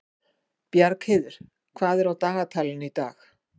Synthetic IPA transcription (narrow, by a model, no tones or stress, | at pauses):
pjaɾkhɪːðʏɾ̥ | kʰvaːðɛɾawt̪aːɣat̪ʰaːlɪnit̪aːx